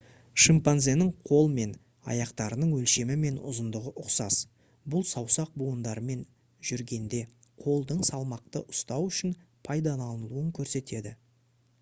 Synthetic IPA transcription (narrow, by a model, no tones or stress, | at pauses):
ʃimpanze̞nɪɴqʰo̞lˠəme̞n | ɑ̰jɑqt̪ɑɾənəɴwɵlʃe̞mɪme̞nʊ̰zənd̪əʁəʔʊqsɑs | bʊlˠsɑwsɑq̚buənd̪ɑɾəme̞n | ʒ̥ʏɾɡʲe̞nd̪e̞ | qʰo̞lˠd̪əɴsɑlˠmɑq̚t̪əʔʊst̪ɑwʏʃɪn | pʰɑjd̪ɑnɑnəlˠuəŋkʲʰɵɾse̞t̪e̞d̪ɪ